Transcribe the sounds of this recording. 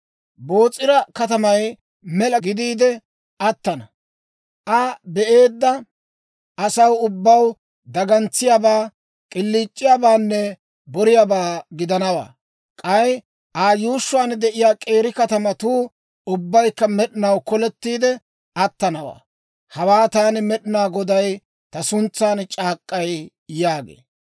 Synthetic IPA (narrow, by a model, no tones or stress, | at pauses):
bo̞ːt͡sʼːɪɾɐkɐt̪ɐmɐj | mɛlɐɡɪd̪iːd̪ɛ | ʔɐt̪ːɐnɐ | ʔɐbɛʔe̞ːd̪ːɐ | ʔɐsɐwʊbːɐw | d̪ɐɡɐnt͡sːɪjabaː | kʼɪlːiːt͡ʃʼːɪjaːbaːnːɛ | bɔɾɪjaːbaːɡɪd̪ɐnɐwa̰ː | kʼɐj | ʔaːjuːʃːʊwaːnd̪ɛʔɪjaːkʼe̞ːɾɪkɐt̪ɐmɐt̪uː | ʊbːɐjkːɐmɛɗɪnɐwkɔlɛt̪ːiːd̪ɛ | ʔɐt̪ːɐnɐwa̰ː | hɐwaːt̪aːnɪmɛɗɪnaːɡɔd̪ɐj | t̪ɐsʊnt͡sːaːnt͡ʃʼaːkʼːɐj | jaːɡḛː